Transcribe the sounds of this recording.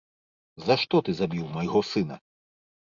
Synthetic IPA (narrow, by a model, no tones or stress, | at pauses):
zɐʂt̪ɔt̪ɨzabʲiwmɐjɣɔsɨnɐ